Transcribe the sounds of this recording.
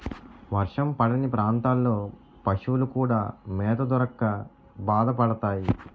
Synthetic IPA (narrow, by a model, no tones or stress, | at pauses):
ʋɐɾʂɐmpɐɽɐnipɾaːnt̪aːlːo̞ː | pɐʂuʋulukuːɽaːmɛːt̪ɐd̪uɾɐkːɐ | baːd̪ɐpɐɽɐt̪aːji